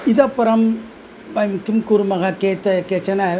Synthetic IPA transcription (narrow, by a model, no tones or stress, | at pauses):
ɪðɐpːɪɾɐm | ʋɐjmkɯmkuɾɯmɐɣɐkeːt̪ːɐkeːt͡ʃːɐnɐ